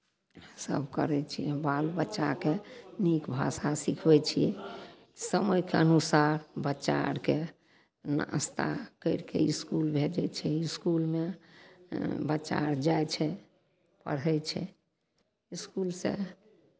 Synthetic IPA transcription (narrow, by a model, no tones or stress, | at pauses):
sə̰bʱkə̰ɾɛt͡ʃʰijɛbalbətːʃakenikbʱa̰sasikʰbɛt͡ʃʰijɛ̰ | səməjkeənusaɾbətːʃa̰ɾke | nəst̪ʰa̰kəɪɾkḛiskulbʱed͡ʒɛt͡ʃʰɛiskulme | bətːt͡ʃa̰ɾd͡ʒajt͡ʃʰɛ | pə̰ɽɛt͡ʃʰɛ̰ | iskulsḛ̃